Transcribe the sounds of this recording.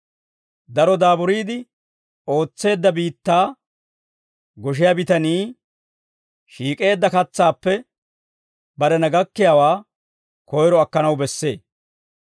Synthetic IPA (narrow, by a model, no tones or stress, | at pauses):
d̪ɐɾɔd̪aːbʊɾiːd̪ɪ | o̞ːt͡sːe̞ːd̪ːɐbiːt̪ːaː | ɡɔʃ̬ɪjabɪt̪ɐniː | ʃiːkʼe̞ːd̪ːɐkɐt͡sːaːpːɛ | bɐɾɛnɐɡɐkːɪjawaː | kɔjɾɔɐkːɐnɐwbɛsːe̞̰ː